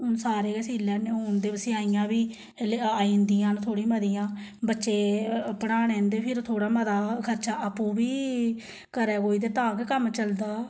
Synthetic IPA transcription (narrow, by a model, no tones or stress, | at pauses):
ʊnsaːɾeːəsiːlːɛːnẽːond̪eːbəsɪːaːiːãːbiː | leaːiːnd̪ijãːnt̪ʰoːɽĩːməd̪iːãːbətːʃeːpəɽaːnẽːnd̪eːpʰɪɾt̪ʰoːɽaːməd̪aːkʰəɾt͡ʃaːʔəpːũːbiː | kəɾɛːkoːiːd̪eːt̪ãːɡkəmt͡ʃəld̪aː